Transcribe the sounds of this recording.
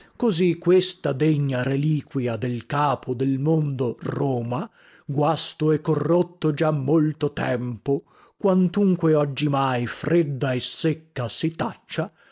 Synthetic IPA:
kozikːwest̪ad̪eɲːaɾeliːkwiad̪elkaːpʰod̪elmond̪orɔːma | ɡwast̪oɛkːorːot̪ːod͡ʒamːolt̪ot̪ɛ̰mpo | kwant̪uŋkweɔd͡ʒːimajfred̪ːaesːekːasit̪at͡ʃːa

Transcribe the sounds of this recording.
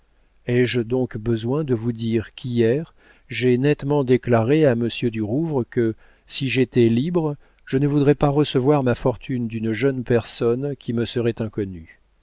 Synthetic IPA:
ɛʒd̪ɔ̃kbəzwɛ̃d̪əvud̪iʁkʲʰijɛʁ | ʒɛnɛt̪mɑ̃d̪eklaʁeaməsjød̪yʁuvʁəkə | siʒet̪ɛlibʁ | ʒ̥ənəvud̪ʁɛpaʁəsəvwaʁmafɔʁt̪ʰynd̪ynʒœnpɛʁsɔnkʲʰiməsəʁɛt̪ɛ̃kɔny

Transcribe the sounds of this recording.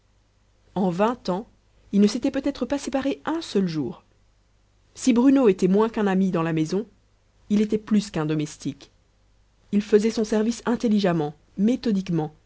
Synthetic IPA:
ɑ̃vɛ̃t̪ɑ̃ | ilnəset̪ɛpøt̪ɛt̪χəpasepaʁeɛ̃sœlʒuːʁ | sibʁynoet̪ɛmwɛ̃kɛ̃namid̪ɑ̃lamezɔ̃ | ilet̪ɛplyskɛ̃d̪ɔmɛst̪ik | ilfəzɛsɔ̃sɛʁvisɛ̃t̪eliʒamɑ̃ | met̪ɔd̪ikmɑ̃

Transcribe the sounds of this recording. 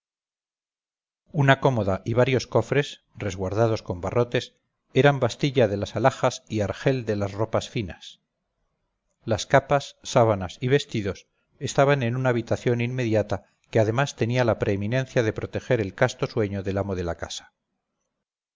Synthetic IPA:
unako̞mo̞ðaʔiβaɾjo̞sko̞fɾe̞s | re̞zɣwaɾðað̞o̞sko̞mbaro̞t̪e̞s | e̞ɾambast̪iʎaðe̞lasalaxasiaɾxe̞ld̪e̞lazro̞pasfinas | laskapasːaβanasiβe̞st̪iðo̞s | e̞st̪aβane̞nunaːβ̞it̪aθjo̞ninme̞ðjat̪a | keað̞e̞mast̪e̞nialapɾe̞ːminẽ̞n̟θjaðe̞pɾo̞t̪e̞xe̞ɾe̞lkast̪o̞swe̞ɲo̞ðe̞lamo̞ðe̞lakasḁ

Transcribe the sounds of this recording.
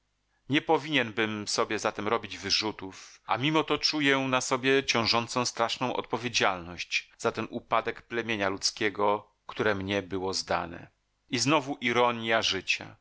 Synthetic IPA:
ɲɛpɔvʲiɲɛnbɘmsɔbʲjɛzat̪ɛmɾɔbʲid͡ʑvɘʐut̪ufʔa̰mʲimɔt̪ɔt͡ʂujɛnasɔbʲjɛt͡ɕɔ̃w̃ʐɔnt̪sɔ̃w̃st̪ɾaʂnɔ̃w̃ʔɔ̰t̪̚pɔvʲjed͡ʑalnɔɕt͡ɕz̥at̪ɛnʔupad̪ɛkplɛmʲjeɲalut̪skʲɛɡɔ | kt̪uɾɛmɲɛbɘwɔzd̪a̰nɛ̰ | iznɔvuʔiɾɔɲjaʐɘt͡ɕa̰

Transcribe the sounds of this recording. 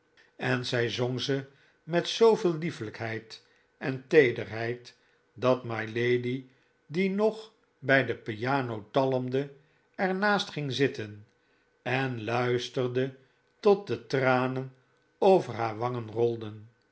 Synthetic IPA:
ɛnzɛjzoŋzə | mɛtsowvɪːlˠlifələkɦɛjt | ɛntejdərɦɛjt | dɑtmajlejdi | dinɔχ | bɛjdəpiaːnowtɑləmdə | ɛɹnaːstχɪŋzɪtən | ɛnlœɥstərdə | tɔt̚dətraːnən | owvəɹɦaːɹʋɑŋənrɔlˠdən

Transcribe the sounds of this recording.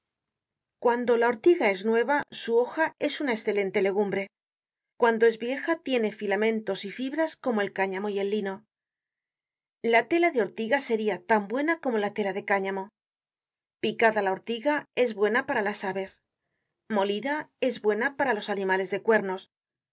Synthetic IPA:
kwand̪o̞lao̞ɾt̪iɣae̞znwe̞β̞asuo̞xae̞sunaesθe̞le̞nt̪e̞le̞ɣ̞umbɾe̞ | kwand̪o̞e̞zβje̞xat̪je̞ne̞filamẽ̞nt̪o̞sifiβɾasko̞mo̞e̞lkaɲamo̞je̞lːino̞ | lat̪e̞laðeo̞ɾt̪iɣase̞ɾiat̪ambwe̞nako̞mo̞lat̪e̞laðe̞kaɲamo̞ | pikaðalao̞ɾt̪iɣae̞zβwe̞napaɾalasaβe̞s | mo̞liðae̞zβwe̞napaɾalo̞sanĩmale̞zðe̞kwe̞ɾno̞s

